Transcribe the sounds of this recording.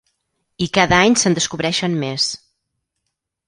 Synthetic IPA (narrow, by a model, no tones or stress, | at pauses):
ikaðəaɲsənd̪əskuβɾɛʃənmes